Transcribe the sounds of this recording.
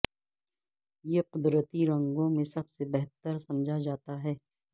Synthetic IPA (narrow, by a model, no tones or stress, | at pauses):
jeqʊd̪ɾət̪iɾɐ̃ŋɡõmẽsɐbsebɛɦt̪əɾsɐmd͡ʒʱad͡ʒaːt̪aɦɛː